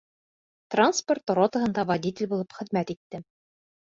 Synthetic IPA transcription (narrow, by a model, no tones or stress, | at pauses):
t̪ransport̪ɾot̪ə̆ɦɤ̆nd̪ɑvɐdʲit̪ʲɪlʲbulˠɤpχɘ̆ðmæt̪it̪ːɘ